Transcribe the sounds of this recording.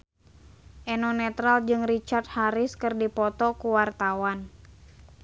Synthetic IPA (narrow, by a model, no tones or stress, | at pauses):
ʔɛnɔnɛt̪ɾald͡ʒɨŋrit͡ʃart̪̚haɾɪskɨrdipɔt̪ɔkuwart̪awan